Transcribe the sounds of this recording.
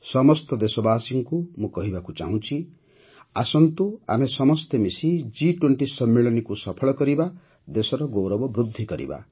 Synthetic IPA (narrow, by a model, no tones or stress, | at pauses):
sʌmʌst̪ɔd̪esɔbasiŋkumukʌɦibakut͡sa̰ɦũt͡sʰi | asʌnt̪ua̰misʌmʌst̪ʰemisid͡ziʈweɳʈisʌmːeɭʌnikusʌpʰʌɭkʌɾiba | d̪esɔɾʌɡowɾʌbʌbɾud̪ʱːikʌɾḭba̰